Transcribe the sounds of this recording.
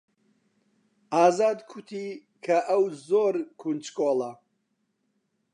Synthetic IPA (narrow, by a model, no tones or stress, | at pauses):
aːzaːd̪kʰut̪ʰi | kʰɐʔɐwzoɾkʰunt͡ʃkʰoːlɐ